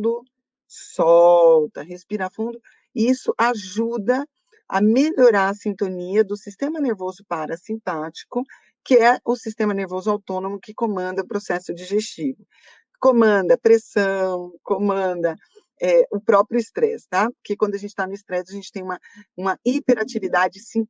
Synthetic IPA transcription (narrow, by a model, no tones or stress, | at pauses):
d̪ʊ | sɔwt̪ɐɦespiɾɐafũd̪ʊ | isʊʔaʒud̪ɐ | ɐ̰meʎoɾaɾɐsĩnt̪õniɐd̪ʊsist̪ẽmɐneɾvozʊpaɾɐsĩpat͡ʃi̥kʊ | kɪɛʊsist̪ẽmɐneɾvozʊawt̪õnõmʊkɪkomɐ̃nd̪ɐʊpɾosɛsʊd͡ʒiʒest͡ʃivʊ | kõmɐ̃nd̪ɐpɾesɐ̃w̃kõmɐ̃d̪ɐ | ɛʊpɾɔpɾjʊist̪ɾɛst̪apʊɾkekwɐ̃d̪ʊɐʒẽnt͡ʃɪt̪anʊɪst̪ɾɛsɐʒẽnt͡ʃɪ̥t̪ẽj̃ũmɐũmɐipeɾat͡ʃivid̪ad͡ʒɪsĩ